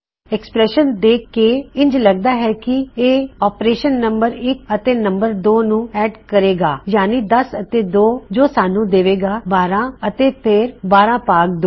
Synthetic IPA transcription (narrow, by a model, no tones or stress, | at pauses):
ɛkspɾɛːʃənd̪eːkːeːɪ̃ɲd͡ʒləɡ̚d̪aːɦɛːkɪeːɔːpɾeːʃənːəmbəɾɪk̚ət̪eːnəmbəɾd̪oːnũːɛːɖkəɾeːɡaːjaːniːd̪əsət̪eːd̪oːd͡ʒoːsaːnũːd̪eːʋeːɡaːbaːɾãːət̪eːpʰɪɾbaːɾãːpaːk̚d̪oː